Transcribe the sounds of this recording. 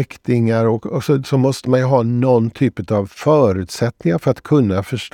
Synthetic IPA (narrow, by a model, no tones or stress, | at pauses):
kt̪ɪŋaɾɔkksɔsɔmɔst̪əmanjɵɦɑːnɔnːt̪ʰyːpət̪ɑvfœːɾʉ̟ːt̪sɛt̪nɪŋaɾfœɾat̪kʰɵnːafœʂʈ